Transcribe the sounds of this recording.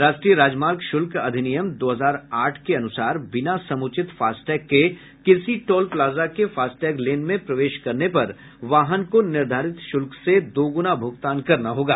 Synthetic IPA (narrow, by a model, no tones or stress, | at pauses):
ɾaːʃʈɾijəɾaːd͡ʒmaːlkʃʊlkɐd̪ʱɪnijəmd̪oːɦəzaːɾaːʈʰkeɐnʊsaːɾbɪnasɐmʊt͡ʃɪt̪faːsʈɛːkːe | kɪsiʈoːlplaːzakefaːsʈɛːɡleːnmẽpɾɐʋeːʃkɐɾnepɐɾ | ʋaːɦənkonɪɾd̪ʱaːɾɪt̪ʃʊlksed̪oːɡʊnabʱʊɡt̪aːnkɐɾnaɦoːɡaː